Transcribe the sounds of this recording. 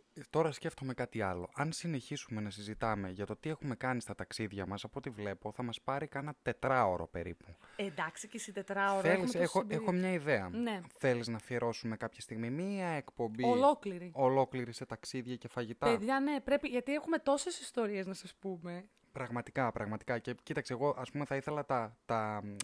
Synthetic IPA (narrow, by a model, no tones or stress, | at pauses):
t̪o̞ɾɐsce̞ft̪o̞me̞kɐt̪iɐlo̞̰ʔɐnsine̞çisume̞nɐsizit̪ɐme̞ʝɐt̪o̞t̪ie̞xume̞kɐnist̪ɐt̪ɐksiðʝɐmɐsɐpo̞t̪ivle̞po̞θɐmɐspɐɾikɐnɐt̪e̞t̪ɾɐo̞ɾo̞̰pe̞̰ɾḭpuend̪ɐksicesit̪et̪ɾɐoɾelisexoexo̞mɲɐiðe̞ɐne̞θe̞liznɐfieɾo̞sumekɐpçɐst̪iɣmimiɐekpo̞mbiolo̞kliɾio̞lo̞kliɾise̞t̪ɐksiðʝɐce̞fɐʝit̪ɐeðʝɐne̞pɾe̞piʝɐt̪iexume̞t̪o̞se̞sist̪o̞ɾieznɐsɐspume̞ | pɾɐɣmɐt̪i̥kɐpɾɐɣmɐt̪i̥kɐce̞cit̪ɐkseːɣo̞ʔɐspume̞θɐiθe̞lɐt̪ɐt̪ɐ